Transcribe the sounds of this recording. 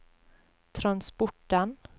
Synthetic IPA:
t̪ʰɾanspɔʈːən

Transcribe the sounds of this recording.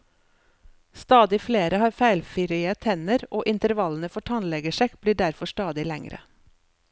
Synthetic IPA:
st̪ɑːd̪ɪfleːɾəhɑːɾfæɪlfɪɾɪət̪ʰɛnəɾʔoːʔɪnt̪əɾʋɑln̩əfɔʈʰɑnlɛɡəʃɛkb̥liːɖæɾfɔʃtɑːd̪ɪlɛ̰ŋɾə̰

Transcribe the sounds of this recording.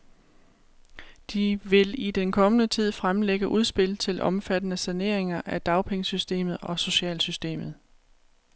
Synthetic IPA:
d̥iʋe̝lid̥enkʰɒ̽mənət͡sʰið̞̰ˠfʁamleɡ̥əʔuð̞ˠsb̥e̝l̰t͡sʰe̝lʔɒ̽mfæd̥ənəsæne̝ɐ̰e̝ŋɐʔæd̥ɑ̈ʊpʰeŋəsysd̥e̝̰ːmð̞̩ˠɒ̽so̝ɕɛ̰ːlsysd̥e̝̰ːmð̞̩ˠ

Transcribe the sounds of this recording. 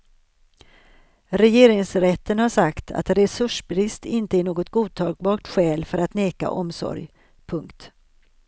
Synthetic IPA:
ɾɛjeːɾɪŋsɾɛt̪ːənhaʂakt̪ʰa̰t̪ɾɛsɵʂbɾɪst̪ɪnt̪əæɳoːɡɔt̪ɡuːt̪ʰɑːɡ̚bɑːʈ̪ɧɛːlfœɾat̪neːka̰ʔɔmsɔ̰ɾj | pʰɵŋkt̪

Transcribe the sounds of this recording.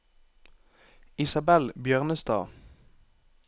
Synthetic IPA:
ɪsɑbɛlbjœːʁnəst̪ɑ̰ː

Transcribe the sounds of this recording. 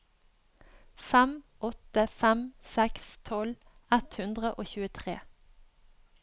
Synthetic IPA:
fæmʔɔt̪əfæmsɛkst̪ʰɔlɛt̪hʉnd̪ʁəʔoːçʉːət̪ʰʁḛː

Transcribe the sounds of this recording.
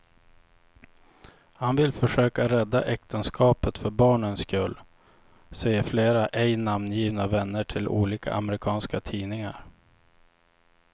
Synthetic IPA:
hanvɪlfœʂøːkaɾɛd̪ːa̰ʔɛk̚t̪ʰənskʰɑːpət̪fœɾbɑːɳənskɵlː | sɛjːəɾfleːɾaʔɛjnamnjiːvnavɛnːəʈʰɪlṵːliːka̰ʔa̰mɾɪkʰɑːnskat̪ʰiːnɪŋaɾ

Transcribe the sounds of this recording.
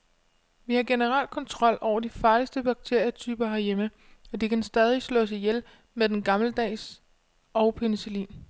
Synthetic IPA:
ʋihɑ̈ɡ̥e̝nəʁɑ̈l̰d̥̚kʰɒ̽nt͡sʰʁɒ̽l̰ɒʊ̰ɐd̥ifɑ̈ːlisd̥əb̥ɑ̈ɡ̥̚t͡sʰe̝ɐ̰jət͡sʰyːb̥ɐɦæɐjemə | ɒ̽d̥ikʰænsd̥ɛːð̞ˠislɔ̰̽ːsijel | meðˠd̥enɡ̥ɑ̈mləd̥ɛ̰ːs | ɒ̽ʊpʰenisulḭːn

